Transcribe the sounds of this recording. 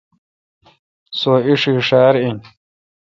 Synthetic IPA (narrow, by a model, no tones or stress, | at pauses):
soːiʂiʂaːɾin